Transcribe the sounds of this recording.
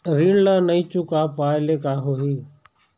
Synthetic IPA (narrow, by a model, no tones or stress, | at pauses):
ɾiːɳlaːnəĩːt͡ʃukaːpaːɪleːkaːɦoɦiː